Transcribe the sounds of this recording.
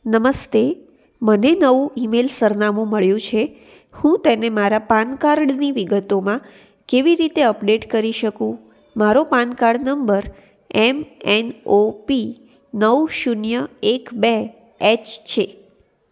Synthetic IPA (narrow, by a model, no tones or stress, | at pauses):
nəməst̪e | mənenəʋũʔimelsəɾnamũməɭjũt͡ʃʰe | hũt̪enemaɾapankaɾɖniʋiɡət̪omã | keʋiɾit̪eəpɖeʈkəɾiʃəkũ | maɾopankaɾɖnəmbəɾ | ɛmenopi | nəʋʃunjəekbe | ɛt͡ʃt͡ʃʰe